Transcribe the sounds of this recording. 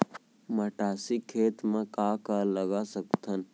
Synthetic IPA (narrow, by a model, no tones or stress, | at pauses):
məʈaːsikʰeːt̪mẽkaːkaləɡasək̚t̪ʰən